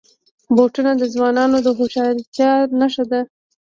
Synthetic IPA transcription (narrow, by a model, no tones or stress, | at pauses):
boʈunad̪əzwɑnɑnod̪əxoʃɑɾt̪jɑɾnaʃad̪a